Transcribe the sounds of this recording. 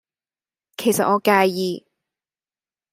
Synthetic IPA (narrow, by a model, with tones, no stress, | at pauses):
kʰe˨˩jsɐ̰˨t̚ŋɔː˨˧kaː˧jjiː˨˧